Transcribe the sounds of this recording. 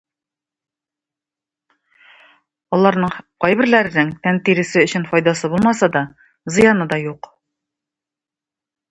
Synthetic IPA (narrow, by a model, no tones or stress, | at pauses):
ɒlˠɑɾnɤɴqɒjbɘ̆ɾlæɾ̆nɘŋt̪ænt̪iɾɘ̆sɘɵ̆ɕɘnfɒjd̪ɑsɤbulˠmɑsɑd̪ɒ | zɤ̆jɑnɤd̪ɒjuq